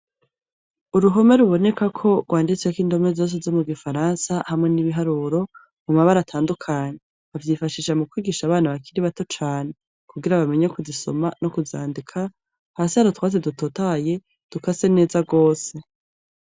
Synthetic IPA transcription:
uɾuɦo̞me̞ɾuβo̞ne̞kakʰo̞ɡɡwaːndit͡sekiːndo̞me̞zo̞ːs̬ezo̞muɡifaɾaːnsahamŋe̞niβiɦaɾuːɾo̞ | mumaβaɾatʰaːndukʰaɲe̞ | avjifaʃiːʃamukwiːɡiːʃaβaːnaβakiɾiβato̞t͡ʃaːne̞ | kuɡiɾaβame̞ɲekuziso̞manokuza̰ːndikʰa | haːsihaɾotwaːzedutotaje̞ | d̥ukase̞ne̞ːzaɡo̞ːse̞

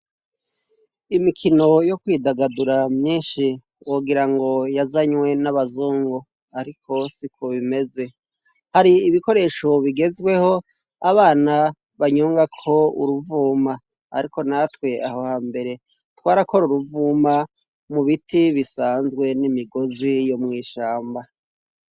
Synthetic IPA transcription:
imikʰino̞jo̞kwiːdaɡaduɾamɲiːnʃi | woɡiɾaŋɡo̞jazaɲwe̞naβazuːŋɡo | aɾikʰo̞sikʰoβime̞ze̞ | haɾiːβiko̞ɾe̞ːʃo̞βiɡe̞zɡwe̞ho̞ | aβaːna | βaɲuːŋɡakʰo̞ṵɾuvuːma | a̰ɾiko̞natwe̞aho̞haːmbe̞ɾe̞ | twaːɾako̞ɾuɾuvuːma | muβitiβisaːnzɡwe̞nimiɡo̞zijo̞mŋiːʃaːmba

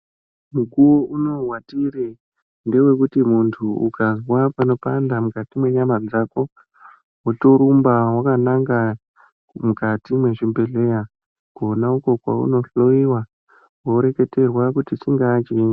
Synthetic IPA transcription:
mukuwouno̞rwatire | nde̞we̞kutimuntʰuṵkazwapano̞pandamukatimwe̞ɲamad͡zako̞ | woto̞ɾumbawakanaŋɡa | kumukatimwe̞ʐimbe̞ɮe̞ja | ɡonauko̞kwa̰ṵno̞ɬoiwa | woɾe̞ke̞te̞rwakutit͡ʃiŋɡat͡ʃːŋ

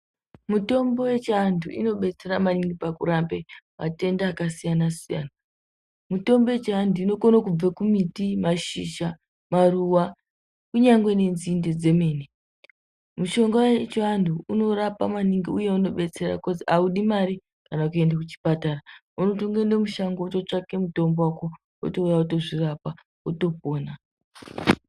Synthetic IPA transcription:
muto̞mbo̞we̞t͡ʃandʰʱuʔḭno̞ɓe̞t͡se̞ɾamaniŋɡipakuɾambea̰te̞ndaːkasijanasija̰na | muto̞mboet͡ʃandʱuino̞konokub͡vakumitimaʃiʃa | maruwa | kuɲaŋɡwe̞ne̞nzinded͡ze̞me̞ːne | muʃo̞ŋɡat͡ʃanduuno̞ɾapa̰maniŋɡiujeuno̞ɓe̞t͡se̞ɾa̰kod͡ziauɗimaɾi | kanaukue̞ndakut͡ʃi̥patara | unotoŋɡendemuʃaŋɡotot͡ʂake̞muto̞mbowako | o̰toujauto̞ʐirapa | oto̞poːna

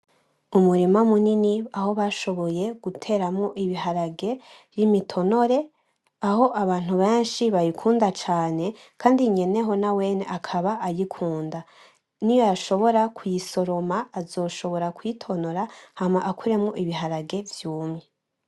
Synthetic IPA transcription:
umuɾimamuniniaho̞βaʃo̞βo̞je̞ɡ̥utʰe̞ːɾamŋoʔiβiɦaɾaɡe̞ | jimitʰo̞no̞ɾe̞ | aho̞ʔaβaːn̥huβe̞ːnʃiβajikʰuːndat͡ʃaːne̞ | kʰaːndiɲe̞ne̞ɦo̞nawe̞ːne̞̰ʔakʰaβaʔajikʰuːnda | nijo̞jaʃo̞βo̞ɾakʰujiso̞ɾo̞maːzo̞ːʃo̞βo̞ɾakwitʰo̞no̞ɾahamaʔakʰuɾe̞mŋoʔiβiɦaɾaɡe̞vjuːmɲe

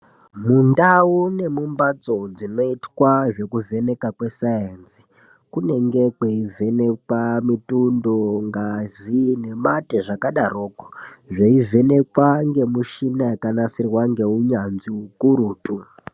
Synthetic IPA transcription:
mundaune̞mumbad͡zo̞d͡zino̞itwaʐe̞kuve̞ne̞kakwe̞sajensi̥ | kune̞ŋɡe̞kweivʱe̞ne̞kwamitundoŋɡazine̞mateʐakaɗaro̞ːko̥ʐeive̞ne̞kwaŋɡe̞muʃinajakanasirwaŋɡe̞uɲanziukuɾuːtʼu

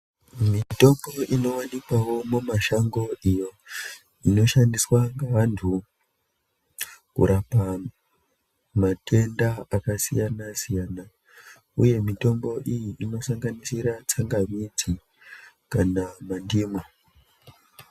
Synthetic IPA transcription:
mito̞mbo̞ʔino̞wanikawo̞mumaʃaŋɡo̞ijo̞ | ino̞ʃandiswaŋɡaantʰu | kṵɾapa | matʰe̞ndaakasijanasijana | uje̞mito̞mbo̞ʔijiʔino̞saŋɡanisiɾat͡saŋɡamid͡zi | kanamandiːma

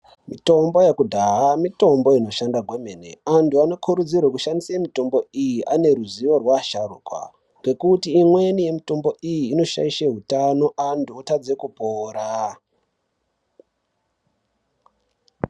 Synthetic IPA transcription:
mito̞mbo̞jekudʱaɦamito̞mbo̞ino̞ʃandaɡʱwemenḛantʰuano̞kʰuɾud͡zirwekuʃandisemito̞mbo̞ijiʔane̞ɾuziʋo̞rwaʃarukwa̰ | ŋɡe̞kutiːmwe̞nije̞mito̞mbo̞ʔijiːno̞ʃa̰iʃeɦutano̞ʔantuotad͡ze̞kupoːɾa

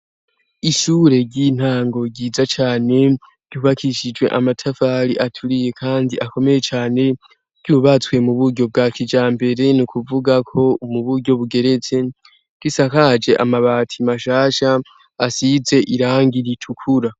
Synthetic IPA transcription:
iʃuːɾe̞ɾɟin̥haːŋɡo̞ɡɟiːzat͡ʃaːne̞ | ɾɟuβakʰiʃid͡ʒwe̞̰ʔamatʰafaːɾiʔatʰuɾije̞kʰaːndiʔako̞me̞je̞t͡ʃaːne̞ | ɾɟ̥uβat͡swe̞muβuɾɟo̞b̚ɡaːkʰid͡ʒaːmbe̞ɾe̞nukuvuɡakʰo̞umuβuɾɟo̞βuɡe̞ɾe̞t͡se̞ | ɡ̥isakad͡ʒe̞ʔa̰maβaːtʰimaʃaːʃaː | size̞ʔiɾaːŋɡiɾitʰukʰuɾa

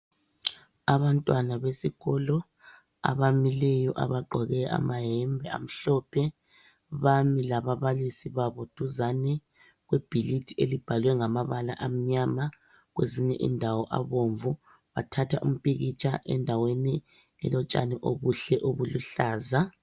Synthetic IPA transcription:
aβantʼwanaβesiɣɔlɔ | a̰βamilɛjɔʔa̰βaǃʱɔɣɛa̰maɦɛmbʱɛa̰m̩ɬɔpʰɛ | βamilaβaβalisiβaβod̥ʱuzanɛ | ɣwɛb̥ʱilitʰielib̥ʱalwɛŋamaβalaʔam̩ɲama | ɣweziɲɛʔḭndʱawɔʔa̰βoɱvu | βatʰatʰaʔṵm̩pʼiɣit͡ʃʼaʔɛ̰ndʱaweni | ɛ̰lɔt͡ʃʼa̰nɛʔo̰βuɬɛʔoβuluɬaːza

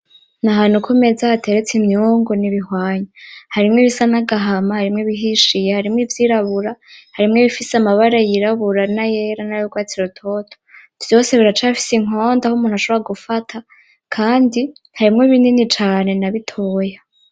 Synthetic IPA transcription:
naɦaːn̥hukʰume̞zahatʰe̞ɾet͡simɲuːŋɡoniβihwaːɲahaɾimŋeβisanaɡaɦamahaɾimŋeβiɦiʃijehaɾimŋivjiːɾaβuɾahaɾimŋeβifisamaβaɾajiɾaβuɾanajeɾanajoɡwaːt͡siɾotʰo̞ːtʰo̥ | vjo̞ːse̞βiɾat͡ʃafi̥siŋ̥o̞ːndahumuːnuhaʃo̞βɾaɡufatʰa | kʰaːndi | haɾimŋoβiːninit͡ʃaːne̞naβitʰoja

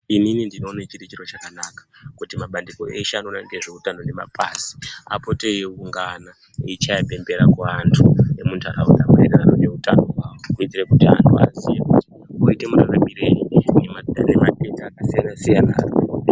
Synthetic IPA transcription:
ininindino̞ːnet͡ʃirit͡ʃiro̞t͡ʃakanakḁkutimaɓandiko̞eʃanonaŋɡe̞ʐeutano̞ne̞ma̰pasi̥a̰po̞tejeuŋɡana | iit͡ʃajape̞mbeɾakwaːntʰue̞muntʰaɾaud̪amaenaarone̞utanokuit͡siɾekutia̰ntʰua̰zijekuti | oite̞muɾaɾamiɾei | ne̞matetaːkasijanasijana̰

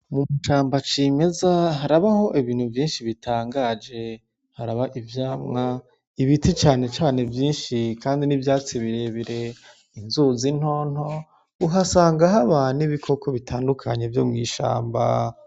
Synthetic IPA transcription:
mumuʃaːmbat͡ʃime̞zaɦaɾaβaho̞ʔiβiːn̥huvjiːnʃiβitʰaːŋɡaːd͡ʒe̞ | haɾaβaʔivjaːmŋa | iβitʰit͡ʃaːne̞t͡ʃaːne̞vjiːnʃikaːndinivjaːt͡siβiɾe̞βiɾe̞ | inzuzin̥ho̞ːn̥ho̞ | uɦasaːŋɡaɦaβaniβikʰo̞kʰo̞βitʰaːndukʰaɲe̞vjo̞mŋiːʃa̰ːmba̰

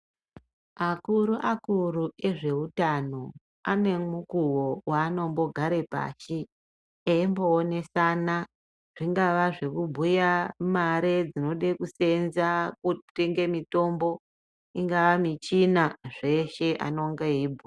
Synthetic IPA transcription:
akuɾuʔakuɾue̞ʐe̞utano̞ | ane̞mukuwowaːno̞mbo̞ɡʱaɾe̞pa̰ːʃi | eimbo̞ːne̞saːna | ʐ̥iŋɡaʋaʐe̞kubʱujamaɾed͡zino̞ɗekuse̞nzakuteŋɡe̞mito̞mbo̞ | iŋɡaʋamit͡ʃinaʐe̞ʃe̞ʔa̰no̞ŋɡeɦiːbʱo

